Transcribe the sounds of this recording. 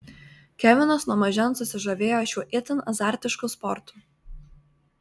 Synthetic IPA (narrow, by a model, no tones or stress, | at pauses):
kʲɛʋʲɪnosnuɔmɐʒʲɛnsʊsʲɪʒɐʋʲeːjoːʃʲuːʔɪt̪ʲɪnɐzɑːˑɾʲt̪ʲɪʃkʊspɔɾt̪u̥